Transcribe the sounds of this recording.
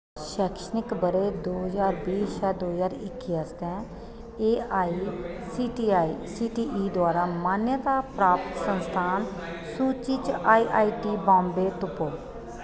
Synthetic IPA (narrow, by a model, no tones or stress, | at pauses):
ʃɛːkʃənɪkbəɾeːd̪oːɦzaːɾbiːsjɛːd̪oːzaːɾɪkːiːəst̪ɛ̃ː | eːaːisiːʈiaːisiːʈiːʔiːd̪ʊaːɾaːmaːnjət̪aːpɾaːpt̪sənst̪ʰaːn | suːt͡ʃit͡ʃaːiːʔaːiːʈiːbãːmbeːt̪ʊpoː